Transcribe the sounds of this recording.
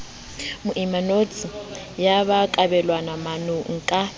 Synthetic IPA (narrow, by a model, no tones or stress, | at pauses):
mʊʔimanot͡sʼi | jaβakʼabɛlwanamanʊŋ̩kʼa